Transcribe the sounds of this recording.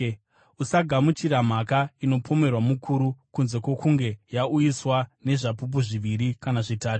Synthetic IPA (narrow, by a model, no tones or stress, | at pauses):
usaɡʱamut͡ʃiɾam̤akaino̞pʰo̞me̞rwamukʰuɾukunze̞kwo̞kuŋɡe̞jaujiswane̞ʐap̬up̬uʐiʋiɾikanaʐitaːtu̥